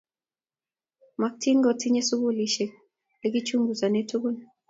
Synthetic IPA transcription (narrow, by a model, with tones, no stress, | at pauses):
ma˨k̚tʰi˦ŋɡɔ˨ti˦ɲɛ˦su˦bu˦li˦ʃe˨ | le˦ɡi˦t͡ʃu˦ŋɡu˨za˨ne˦tu˦bu˦n